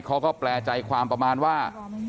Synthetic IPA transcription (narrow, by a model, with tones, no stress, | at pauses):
kʰa˦˥wkɔː˥˩plɛː˧t͡ɕa˧jkʰwaː˧mpɾa˧maː˧nwaː˥˩